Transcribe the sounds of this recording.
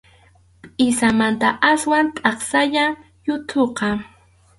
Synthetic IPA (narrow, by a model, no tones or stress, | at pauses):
pʼɪsamant̪aʔaswant̪ʼɑχsaʎa | jʊt̪ʰoqɑ